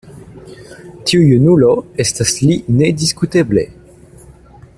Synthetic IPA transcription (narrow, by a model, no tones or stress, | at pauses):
tʰiujunuloestaslinediskuteblḛ